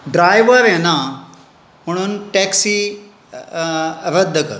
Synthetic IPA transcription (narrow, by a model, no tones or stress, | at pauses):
ɖɾajʋəɾena | m̤əɽ̃uːnʈɛksi | ɾəd̪ʱːəkɐ̰ɾ